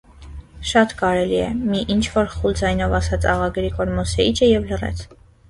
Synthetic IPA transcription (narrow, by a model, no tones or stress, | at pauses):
ʃɑt̪kɑɾɛliɛmiʔint͡ʃʰvɔɾχuld͡zɑjnɔvɑsɑt͡sʰɑ̰ʁɑɡɾikɔɾmɔsɛit͡ʃʰəjɛvlərɛ̰t͡sʰ